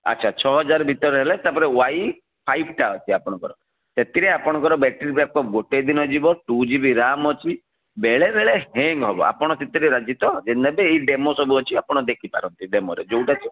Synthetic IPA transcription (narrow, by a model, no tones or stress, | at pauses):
ɐ̰tːt͡ʃʰat͡ʃʰɔɦɔd͡ʒaɾɔbʱit̪ɔɾɔɦelet̪apɔɾewaj | pʰajb̚ʰʈaɔt͡ʃʰiapɔɽ̃ɔkɔɾɔ | set̪iɾeapɔɽ̃ɔ̃kɔɾɔbɛʈiɾibɾap̚kɔɡoʈed̪inɔd͡ʒibɔʈud͡ʒibiɾamɔt͡ʃʰi | beɭeɾeɭeɦeŋɡɦɔbɔ̰ʔa̰pɔɽ̃ɔt̪et̪iɾeɾad͡ʒit̪ɔd͡ʒend̪ʱabeːiɖemosɔbuɔt͡ʃʰiapɔɽ̃ɔd̪ekʰipa̰ɾɔnt̪iɖemɔɾḛd͡ʒowʈat͡ʃʰi